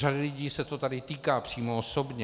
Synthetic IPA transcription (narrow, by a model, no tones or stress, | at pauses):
radɪlɪɟiːsɛt̪o̞t̪adɪt̪iːkaːpr̝̥iːmooso̞bɲɛ